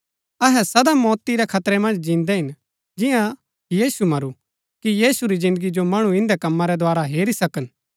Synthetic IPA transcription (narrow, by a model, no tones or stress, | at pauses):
ɐɦɛsɐd̪amɔːt̪iɾɛkʰɐt̪ɾɛmɐ̃nd͡ʒd͡ʒĩːnd̪ɛɦɪn | d͡ʒɪjã | jiːsumɐɾu | kijiːsuɾizɪ̃nd̪əɡid͡ʒomɐɽ̃uɪ̃nd̪ɛkɐmːãɾɛd̪oaːɾaɦeːɾisɐkən